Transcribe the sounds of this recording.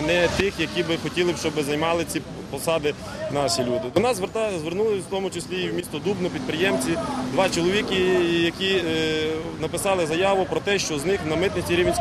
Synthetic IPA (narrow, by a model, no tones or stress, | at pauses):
nɛt̪ɪxjɐkʲibɪxɔtʲilˠɪʃt͡ʃɔbɪzɐjmɑlˠɪt͡sʲi | pɔsɑd̪ɪ | nɑʃʲilʲud̪ɪd̪ɔnɑzʋt̪zʋernulˠɪt̪ɔmʊt͡ʃɪsʲlʲiːwmʲist̪ɔd̪ubnɔpʲid̪̚pɾɪjɛmt͡sʲid̪ʋɑt͡ʃɔlˠɔʋʲikʲɪjɐkʲi | nɐpɪsɑlˠɪzɐjɑʋʊpɾɔt̪ɛʃt͡ʃɔznɪxnɐmɪt̪nɪtʲiɾʲiʋʲnʲ